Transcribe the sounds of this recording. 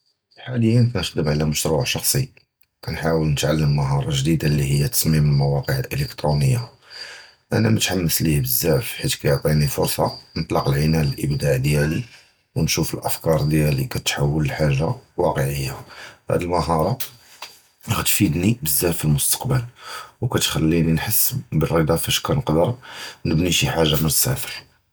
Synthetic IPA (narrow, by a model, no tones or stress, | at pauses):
lħaləjːənkænəd̪əmʕlæməʃɾuʕʃɑxsˤi | kænħawəlnət̪ʕalːəmːəɦɑɾˤɑʒd̪id̪alːihəjːæt̪ɑ̥smiməlmæwɑqəʕəlʔələkt̪ɾunəjːa | ʔæ̰næmæt̪ħamːəslibəzːæʕfħit̪kæjoʕt̪ˤinifʊɾˤsˤɑnət̪ˤlɑqəlʕinæləlʔəbd̪aʕd̪jæli | wnʃufəlʔəfkɑɾˤd̪jælikæt̪ħawːələlħaʒːawɑqəʕəjːahæ̰d̪əlməɦɑɾˤɑ | ɣæt̪fid̪nibəzːæfilmʊst̪ə̥qbəlwkæt̪xælːininħəsːbərˤːid̪ɑfæʃkænəqd̪əɾˤnəbniʃiħaʒːamənəsæ̰fəɾ